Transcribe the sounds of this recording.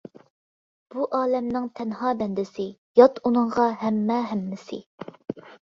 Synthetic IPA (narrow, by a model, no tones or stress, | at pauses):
b̥uʔɑːlɛmnɪŋt̪ʰɛnɦɑːbɛnd̪ɪsɪ | jɑt̪unɨŋʁɑɦɛmːɛɦɛmːɪsɪ̰